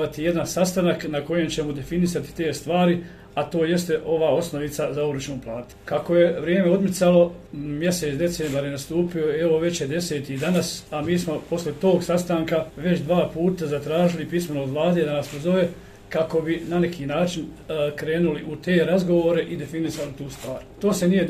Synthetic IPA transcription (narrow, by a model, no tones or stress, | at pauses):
at̪ije̞d̪ansast̪anaknako̞je̞mt͡ɕe̞mod̪e̞finisat̪i̥t̪e̞ːst̪ʋaːɾi | at̪o̞ːje̞st̪e̞ʔo̞ʋaːo̞sno̞ʋit̪sazauɾut͡ʃnuːplˠaːt̪u̥kako̞je̞ʋɾjeːmeo̞d̪met̪salo̞mje̞set̪d̪e̞seːmbaɾjenast̪uːpio̞ieʋo̞ʋe̞t͡ɕjed̪e̞se̞ːt̪id̪anasamiːsmo̞po̞slet̪o̞ːɡsast̪aːŋkaʋe̞t͡ɕd̪ʋaːpuːt̪azat̪ɾaːʒilipismenoːd̪ʋlˠaːd̪e̞ːd̪anaspo̞zo̞ʋe̞ | kako̞binanekʰiːnaːt͡ʃin | kɾe̞ːnuliʔut̪eːɾazɡo̞ʋoːɾe̞ʔid̪e̞finisalit̪uːst̪ʋaːɾt̪o̞ːse̞nije̞